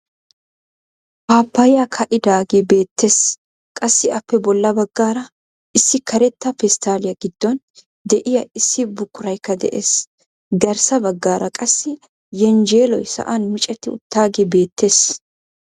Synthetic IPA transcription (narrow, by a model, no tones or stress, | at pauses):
paːpːɐjɪjakʰɐʔɪd̪aːɡebe̞ːt̪ːe̞ːs | kʼɐsːɪɐpːɛbɔlːɐbɐɡːaːɾɐ | ɪsːɪkʰɐɾɛt̪ːɐfɛst̪aːlɪjɐɡɪd̪̥ːɔn | d̪ɛʔɪjɐɪsːɪbʊkːʊɾɐjkːɐd̪ɛ̰ʔḛːs | ɡɐɾsɐbɐɡːaːɾɐkʼɐsːɪ | jɛnd͡ʒeːlɔjsɐ̰ʔɐnmɪt͡ʃʼɛt̪ːɪʊ̰t̪ːaːɡebe̞ːt̪ːe̞ːs